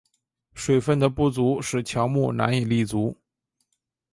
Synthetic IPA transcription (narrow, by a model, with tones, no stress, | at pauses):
ʂwe˨˩ɪfə˥˩nd̪ə˩pu˥˩t͡su˧˥ʂɻ̩˥˩t͡ɕʰjɑ˧˥ʊmu˥˩na̰˧˥ni˨˩li˥˩t͡su˧˥